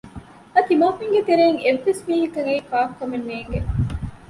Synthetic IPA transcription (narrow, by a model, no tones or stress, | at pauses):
ɐt̪imaːfiŋɡet̪eɾeːŋeʋːesmiːɦik̪ɐŋɐikaːfkɐmenːeːŋɡe